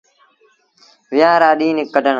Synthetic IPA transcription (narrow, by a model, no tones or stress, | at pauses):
ʋɪjaːɾaːɗiːnɪkːəɖʱən